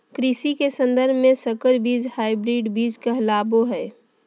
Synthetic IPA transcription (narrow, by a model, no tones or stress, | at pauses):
kɾisikesə̃nd̪əɾbʱmẽsəkəɾbiːd͡ʒhaːɪbɾiːɖbiːd͡ʒkəɦlaboɦɛː